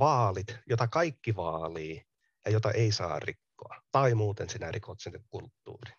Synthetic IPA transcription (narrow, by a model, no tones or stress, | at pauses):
ʋɑːlit̪jot̪ɑkɑikːiʋɑːliː | jɑjot̪ɑ̰ʔeisɑ̰ːrrikːoɑt̪ɑimuːt̪ensinærikʰot̪sinːekkult̪ːṵːri̥